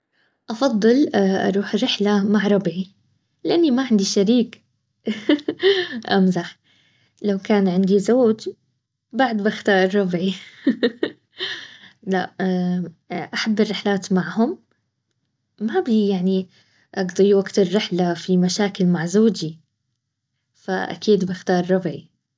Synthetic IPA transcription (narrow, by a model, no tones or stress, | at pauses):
ʔɑfɑðˤːɨlʔɑ̰ɾˤuːħrɪħlamaʕɾˤɑbʕi | lɪʔanːimaʕɪnd̪iʃaɾiːk | ʔamzaħ | lawkaːnʕɪnd̪izoːd͡ʒ | baʕd̪baxt̪ɑːɾˤːɑbʕi | laʔ | ʔaħabːɪrˤːɪħlaːt̪maʕhʊm | ablijaʕni | ʔɑɡd̪iwaɡt̪ɪrːɪħlafimaʃaːkɪlmaʕzoːd͡ʒi | fa̰ʔa̰kiːd̪bɪxt̪ɑːɾˤːɑbʕi